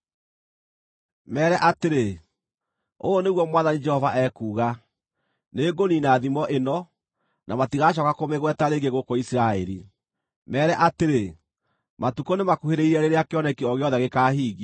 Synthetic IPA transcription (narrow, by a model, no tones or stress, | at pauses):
mɛːɾɛʔateɾe | o̰oneɣwɔmwaːðanid͡ʒɛhɔvaʔɛkuːɣa | neːɡoninaðimɔʔenɔ | nʔamatiɣaʃ̬ɔkakomeɣwɛtaɾeːɡeɣokoisiɾaɛɾḭ | mɛːɾɛʔateɾe | matukonemakuheɾeiɾɛɾeɾeakeɔnɛkiɔɣeɔðɛɣekaːhiːɣi